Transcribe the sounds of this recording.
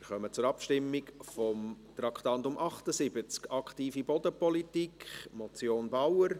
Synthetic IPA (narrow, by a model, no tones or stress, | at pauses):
ɪɾχœmət͡sʊɾɑpʃtɪmːɪkfɔmt̪rɑkχtɑntʊmʔɑχtəzɪbət͡skɑkχtiːfibɔdəpɔlitikχmɔt͡sjoːnbawər